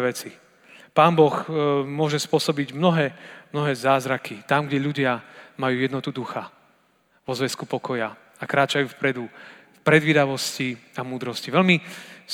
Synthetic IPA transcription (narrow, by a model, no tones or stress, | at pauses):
ʋɛt͡si | paːnbɔxmʊɔʒɛspʊɔsɔbiɟmnɔɦɛːmnɔɦɛːzaːzɾakʰit̪amɡɟɛʎuɟɪamajuːjɛd̪nɔt̪ud̪uxa | ʋɔzʋɛskupɔkɔja | akɾaːt͡ʃajuːfpɾɛd̪ufpɾɛd̪ʋiːd̪aʋɔsciamuːd̪ɾɔsciʋɛlmi